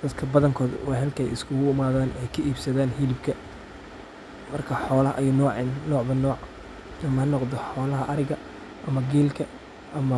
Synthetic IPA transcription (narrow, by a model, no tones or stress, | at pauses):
d̪̥ɐd̪kʰɐbɐðɐŋkʰɔːðwɑːɦɛlkʰɛ̰jɪ̰skʰʊɣʊɪmaːðaːnɛjkʰɐʔiːbsɐðaːnɦɪlɪbkʰɐ | mɐrkʰɐħɔːlɐhʔɐjɐnɔːʕɪnnɔːʕbɐnɔːʕ | nɐmhɐnːɔqd̪ɔħɔːlɐɦɐʔɐɾɪɣɐ | ʔɐmɐɡɛːlkʰɐ | ʔɐmɐ